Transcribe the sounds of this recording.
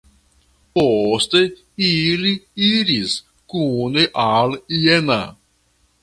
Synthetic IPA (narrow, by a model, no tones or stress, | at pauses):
post̪e | iliiɾis | kuneʔalena̰